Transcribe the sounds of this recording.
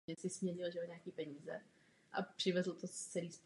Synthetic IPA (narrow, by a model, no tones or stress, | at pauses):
ɛsɪsmɲɛʒɪlʒɛoɲɛakiːpɛɲiːzɛ | ʔa̰pr̝̥ɪvɛzl̩t̪ot͡sɛliːst̪